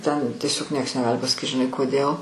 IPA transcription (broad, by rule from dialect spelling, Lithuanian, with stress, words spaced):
ˈtʲɛn tʲiɛˈsʲoːk ˈnʲiɛks nʲɛˈɡɑːlʲɪ pɐsɐˈkʲiːt ʒʲɪˈnɐɪ koːˈdʲeːlˠ